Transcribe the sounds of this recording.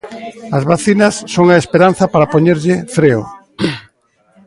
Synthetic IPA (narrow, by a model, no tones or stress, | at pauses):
ɐzβaθinɐsːoŋaespeɾan̟θɐpaɾapoɲeɾʎɪfɾeʊ̰